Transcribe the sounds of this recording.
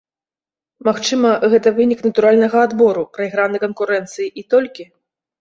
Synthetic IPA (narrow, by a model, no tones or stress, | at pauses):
maxt͡ʂɨmɐɣɛt̪ɐvɨnʲiknɐt̪uɾalʲnɐɣɐːd̪bɔɾupɾɐiɣɾanɨkɐnkuɾɛnt̪sɨjiʔit̪ɔlʲkʲi